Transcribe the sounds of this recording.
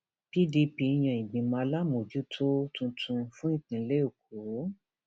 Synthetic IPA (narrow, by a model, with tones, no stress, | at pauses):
bi˦di˧pi˧j̃ã˧˨ĩ˨ɡ͡bĩ˨mã˧la˦mo˨d͡ʒu˨˦tʰo˦tũ˧tʰũ˧fũ˦ĩ˦˨tĩ˨˧˦le˦o˨ko˨˦